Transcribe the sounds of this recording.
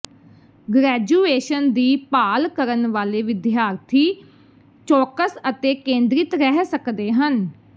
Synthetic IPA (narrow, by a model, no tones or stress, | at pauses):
ɡɾɛːd͡ʒuːeːʃənd̪iːpaːlkəɾənʋaːleːʋɪd̪ɪjaːɾt̪ʰiː | t͡ʃɔːkəsət̪eːkẽːnd̪ɾɪt̪ɾɛɦsəkd̪eːɦən